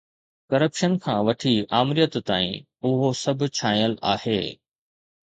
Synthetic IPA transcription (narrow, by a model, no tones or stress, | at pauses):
kɐɾəpʃənkʰãːʋɐʈʰiaːmɾijət̪ːaːḭ̃ | ʊɦosɐbʱʊt͡ɕʰaːĩəlaːheː